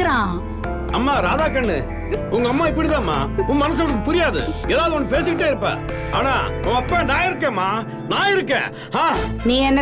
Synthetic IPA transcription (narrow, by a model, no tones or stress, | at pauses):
ɾãː | ɐmːaːɾaːðaːkɐɳːɯ̰ | ʊŋɡɐːmːaːɪp̬ːɐɽit̪ãːmːa̰ːʊŋmɐnɐs̬ɐ̃ɯpʊɾɪjaːðɯ̰eːðaːʋɯðɐɔnːɯpeːsɯkɪʈːeːɪɾɯpːã̰ː | a̰ːna̰ːʊ̃ːɐpːẽːd̪aːɪɾɯkːẽːmːaː | naːɪɾɯkːḛ̃ː | haːniːɛnːɐ